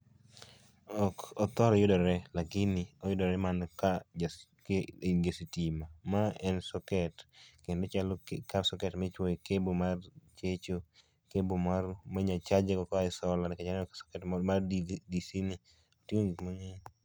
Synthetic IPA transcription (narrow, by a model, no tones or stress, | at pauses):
ɔkɔt̪ɔɾɔjʊdɔɾɛlakɪnɪɔjʊdɔɾɛmanka | kɡesitimamaɛnsɔkɛtkendot͡ʃalɔkkasɔkɛtmɛt͡ʃwɔkebomart͡ʃet͡ʃo | kebomaɾmaɲat͡ʃad͡ʒakɔkɔɪsɔlanɛkat͡ʃanɛɔksɔ̥kɛtmardidisinɪ | otioŋmaŋɛ